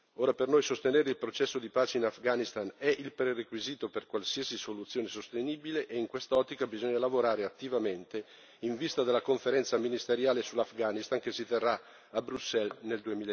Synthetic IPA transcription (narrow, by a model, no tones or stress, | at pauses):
oːɾapernojsost̪eneːɾeilpɾot͡ʃɛsːod̪ipaːt͡ʃeinafɡanist̪anɛʔilpɾerekwiziːt̪operkwalsiːasisolut̪sːjoːnesost̪eniːbileʔeiŋkwest̪aɔt̪ːikabizɔɲːalavoɾaːɾeat̪ːivament̪e | iɱvist̪ad̪elakoɱfeɾɛnt̪saminist̪eɾjaːlesulːafɡaːnist̪aŋkesːit̪erːa | abɾusːɛlneld̪uemiːl